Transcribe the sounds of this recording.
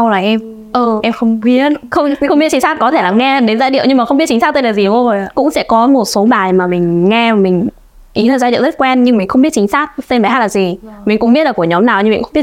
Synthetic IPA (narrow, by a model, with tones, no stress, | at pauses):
a˧wlaː˨˩ʔɛ˧m | ʔɨ˨˩ʔɛ˧mxə˧wŋ͡mɓi˦˥ət̚xə˧wŋ͡mi˧˦xŋ͡mɓi˦˥ət͡ɕi˨˦ŋsaː˦˥t̚kɔ˨˦t̪ʰe˧˩laː˨˩mŋɛ˧˨˩ɗe˨˦nzaː˧ɗḭ˧˨wɲɨ˧ŋma˨xə˧ŋ͡mɓi˦˥ət̚t͡ɕi˨˦ŋ̟saː˦˥t̪e˧nlaː˨˩zi˨˩˨zo˨˩jkʊ̰˧˥ŋ͡msɛ̰˧˥kɔ˨˦mo˨˩t̚so˨˦ɓaː˨˩jmaː˨˩mï˨˩ŋ̟ŋɛ˧a˨˩mï˨˩ŋ̟ | ʔiː˨˦˨zaː˧ḭ˧˨wzt̚kwɛ˧nɲɨ˧ŋmï˨˩ŋ̟xə˧wŋ͡mɓi˦˥ət̚t͡ɕï˨˦ŋ̟saː˦˥k̚se˧nvaː˨˩haː˦˥t̚laː˨˩zi˨˩mï˨˩ŋ̟kʊ̰˧˥ŋ͡mɓi˦˥əlaː˨˩ku˧˩əɲɔ˨˦mnaː˨˩wɲɨ̰˧˨˩xi˦˥